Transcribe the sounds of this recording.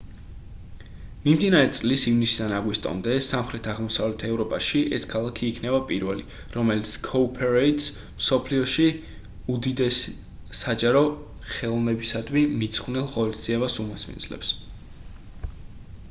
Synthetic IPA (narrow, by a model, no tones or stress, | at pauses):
mimd̪inaɾɛt̪sʼlisivnisid̪anaɡwist̪ʼɔ̰md̪ɛsamχɾɛt̪ʰaʁmɔsavlɛt̪ʰɛvɾɔpʼaʃiʔɛskʰalˠakʰiːkʰnɛbapʼiɾvɛli | ɾɔmɛlit̪sʰkʰɔpʰɛɾɛit̪s | msɔpʰliɔʃi | ud̪id̪ɛs | ad͡ʒaɾɔ | χɛlˠɔnɛbisad̪mimit̪sʰχvnilˠʁɔlisd̪z̥iɛbasumɔsmḭndzlɛ̰ps